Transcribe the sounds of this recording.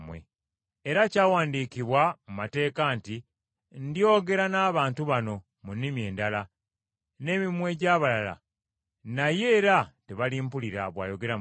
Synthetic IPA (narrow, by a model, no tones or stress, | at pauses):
wḛ | eɾacaːwaːndikiβwamumate̞ːkanti | ndio̞ːɡe̞ɾanaːβaːntuβano̞ | munːimie̞ːndala | ne̞ːmimwe̞ɟaːβalala̰ | naje̞ːɾateβalimpuliɾaβwa̰ːjo̞ɡe̞ɾa